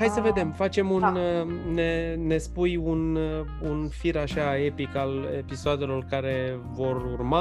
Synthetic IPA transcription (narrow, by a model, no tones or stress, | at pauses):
hajsəve̞d̪e̞mfat͡ʃe̞munnene̞spujun | unfiɾaʃae̞pikalḛpisoad̪e̞lo̞rkaɾe̞ | vo̞rurma